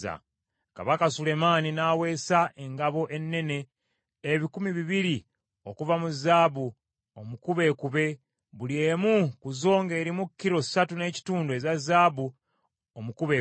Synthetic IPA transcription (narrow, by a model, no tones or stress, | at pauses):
a̰ | ka̰βakasule̞maːninaːwe̞ːsaʔe̞ŋɡaβo̞ʔe̞nːe̞ne̞ː | βikumiβiβiɾi | o̞kuvamuzaːβu | omukuβe̞ːkuβe̞ | βuljeːmukuzo̞ːŋɡe̞ːɾimukːiɾo̞satune̞ːci̥tuːndwe̞zazaːβu | omukuβe